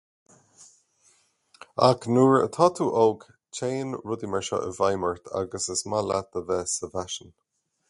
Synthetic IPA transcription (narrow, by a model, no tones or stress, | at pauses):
aknuːɹə̰t̪ʰɔt̪ʰuːʔɔːɡ | t͡ʃʰeːnɹʊd̪imɛɹʃɔ̰ʔə̰vajməɹt̪ʰa̰ɡəsəsmala̰t̪̚əvɛːsəvaʃən